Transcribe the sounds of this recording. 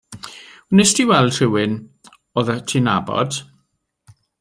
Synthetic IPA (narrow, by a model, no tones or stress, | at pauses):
nɛsdiwɛlˠr̥ɪwɪn | oːðətʰina̰bɔ̰d̥